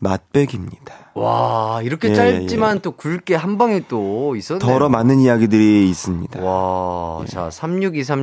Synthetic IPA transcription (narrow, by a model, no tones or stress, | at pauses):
mat̚p͈e̞ɡimɲid̥ḁwaiɾʌkʰet͡ɕ͈aɭt͡ɕ͈imant͈okuɭk͈e̞ɦambaŋit͈ois͈ʌʌɾʌmanɯnijaɡidɯɾiːs͈ɯmɲid̥aa | t͡ɕa̰sʰamɲuɡis̬ʰam